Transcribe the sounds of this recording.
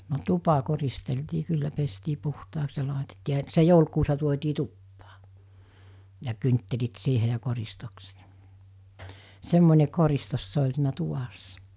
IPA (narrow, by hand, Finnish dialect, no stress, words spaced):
no tupɑ koristeltiː kylːæ pestiː puhtɑːks jɑ lɑˑetetːiː jɑ se joulkuːsɑ tuotʲiː tupːɑː jɑ kyntːelit siːhe jɑ koristokset semːonʲe koristos se olʲ siːnæ tuʋɑsːɑ